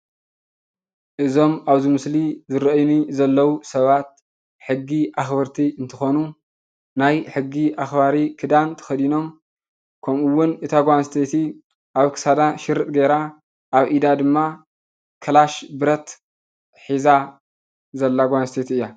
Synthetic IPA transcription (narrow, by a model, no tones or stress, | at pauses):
ʔɨzo̞maβzɨmɨslizɨɾɐʔɐjnizɐlːɐwusɐβat̪̚ | ħɨɡːiʔaxbɐɾt̪ʰiɨnt̪ʰɨxonu | najħɨɡːiʔaxβaɾikʰɨd̪ant̪ʰɐ̥xɐd̪ino̞m | kʰɐmuwːʊnɨt̪ʰaɡʷanst̪ʰet̪ʰi | ʔaβkʰɨ̥sad̪aʃɨɾːɨt̪ʼɡeɾa | ʔaβʔid̪ad̪ɨmːa | kʰɐlaʃbɨɾɐt̪ | ħiza | zɐlːaɡʷanst̪ʰet̪ʰiɨjːa